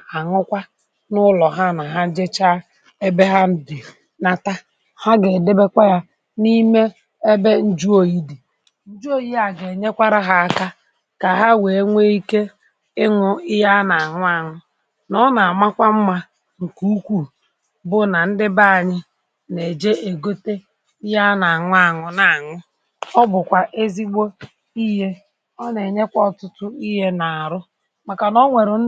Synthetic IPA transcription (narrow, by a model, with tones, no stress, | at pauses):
a˨ŋʊ˦kʷa˦ | nʊ˦lɔ˨ɦa˦na˨ɦa˦d͡ʒe˦t͡ʃa˦ | e˦be˦ɦa˦n̩˦di˨ | na˨ta˦ | ha˦ɡe˨de˦be˦kʷa˦ja˦ | ni˦me˦ | e˦be˦n̩˦d͡ʒu˦o˨ji˦di˨ | n̩˦d͡ʒu˦o˦ji˦a˨ɡe˨ɲe˦kʷa˦ɾa˦ɦa˦a˨ka˦ | ka˨ɦa˦we˨e˦ŋʷe˦i˦ke˦ | ɪ˦ŋʊ˦ɪ˦ja˦na˨ŋʷʊ˦a˦ŋʊ˦ | nɔ˦na˨a˨ma˦kʷa˦m̩˦ma˦ | ŋ̩˨ku˦u˦kʷu˨ | bʊ˦na˨n̩˦dɪ˦ba˦a˨ɲɪ˦ | ne˨d͡ʒe˦e˨ɡo˦te˦ | ɪ˦ja˦na˨a˨ŋʊ˦a˦˨ŋʊ˨na˨a˨ŋʊ˦ | ɔ˦bʊ˨kʷa˨ʔe˦zi˦ɡ͡bo˦ | i˦ɦe˦ | ɔ˦ne˨ɲe˦kʷɔ˦ɔ˨tʊ˦tʊ˦i˦ɦe˦na˨a˨ɾʊ˦ | ma˨ka˨nɔ˦ŋʷe˨ɾʊ˨˦